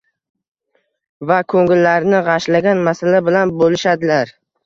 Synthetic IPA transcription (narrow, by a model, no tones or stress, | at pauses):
vakʰɵŋɪlːaɾnɪʁɑʃlaɡʲanmasalabɪlanbolɪʃad̪ɪlaɾ